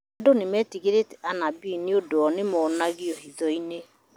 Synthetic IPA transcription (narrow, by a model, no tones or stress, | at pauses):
adonemɛːtiɣeɾetɛanabiniodoɔnemɔnaɣiɔhiðɔine